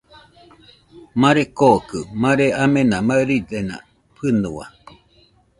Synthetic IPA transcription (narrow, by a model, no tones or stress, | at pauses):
mãɾekokɯmãɾeamenamaɯɾidenã̰ | pʰɯɨnua̰